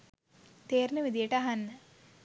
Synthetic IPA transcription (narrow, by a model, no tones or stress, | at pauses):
t̪eːɾnəʋid̪ijəʈəaɦanː